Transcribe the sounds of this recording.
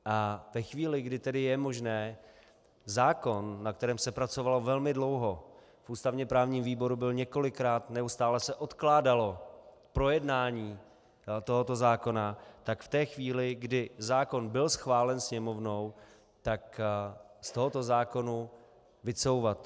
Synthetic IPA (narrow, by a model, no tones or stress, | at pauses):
ʔavɛxviːlɪɡdɪt̪ɛdɪjɛmo̞ʒnɛː | zaːko̞nːak̚t̪ɛɾɛːmsɛpɾat͡so̞valovɛlmɪdlo̞wɦo̞ | fʔuːst̪avɲɛpɾaːvɲiːmviːbo̞ɾubɪlɲɛko̞lɪkɾaːt̪nɛust̪aːlɛsɛʔo̞t̪klaːdalo̞ | pɾo̞jɛdnaːɲiː | t̪o̞ɦo̞t̪o̞zaːko̞nat̪akft̪ɛːxviːlɪɡdɪzaːko̞nbɪlsxvaːlɛnsɲɛmo̞vno̞w | t̪ak | st̪o̞ɦo̞t̪o̞zaːko̞nu | vɪt͡so̞wvat̪